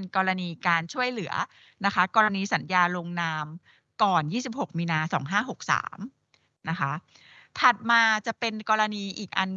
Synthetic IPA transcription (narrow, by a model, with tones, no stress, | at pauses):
nkɔː˧ɾa˧niː˧kaː˧nt͡ɕʰu˥˩əjlɯ˩˦ɐ | na˦˥kʰa˦˥kɔː˧ɾa˧niː˧sa˩˦njaː˧lo˧ŋnaː˧m | kɔː˨˩njiː˥˩si˨˩p̚ho˨˩k̚miː˧naː˧sɔː˩˦ŋɦaː˥˩ɦo˨˩k̚sa̰ː˩˦m | na˦˥kʰa˦˥ | t̪ʰa˨˩t̪̚maː˧t͡ɕa˨˩pe˧nkɔː˧ɾa˧niː˧ʔiː˨˩k̚ʔa˧n